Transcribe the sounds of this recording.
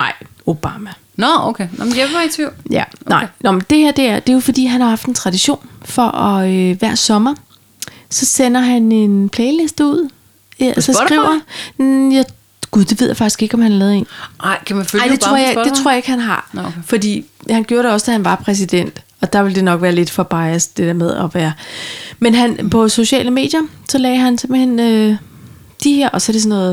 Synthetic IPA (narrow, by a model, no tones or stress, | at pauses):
ɑ̈ɪ̰ | o̝b̥ɑ̈ːmæ | nɔokʰeɔmjet͡sʰʋiʊ̰jænɑ̈ɪnɒmend̥e̝heɐ̰d̥e̝æɐd̥e̝jo̝fɒ̽d̥ḭːɦænhɑ̈hɑ̈fd̥ent͡sʰʁɑ̈d̥iɕo̝̰ːnfɒ̽ʔɒøʋæɐ̰sɒ̽mɐ | sɒ̽sen̰ɐɦæne̝npʰlɛːɪle̝sd̥əuð̰ˠ | sɒsɡʁḭʊ̰ɐ | jɑ | ɡ̥uð̥ˠeʋeð̰ˠjafɑɡ̥i̥sɡ̥e̝ɡ̥ɒ̽mhænhɑlɛːð̩ˠḛːnɪkʰæmænføa̰d̥e̝t͡sʁo̝ɐ̰jɡ̥e̝t͡sʰʁo̰ɐ̰je̝ɡ̥hænɦɑ̈fɒ̽d̥ḭːhænɡ̥joːɐɾe̝ɒ̽səd̥æhænʋɑ̈pʰʁɛs̬id̥en̰d̥ | ɒ̽d̥ɑʋe̝ld̥e̝nɒ̽ɡ̥ʋæːɐle̝d̥fɒb̥ɑ̈ɪɐsd̥ed̥ḛɐmeð̞ˠɒ̽ʋæːɐmenɦænpʰɒ̽so̝ɕɛ̰ːləme̝̰ːd̥jɐsɒ̽lɛ̰ːɦænse̝mb̥l̩he̝n̰ø | d̥iheɐ̰ʔɒ̽sɒ̽æɐde̝s̬ɔ̽nːɔ̽ːð̩ˠ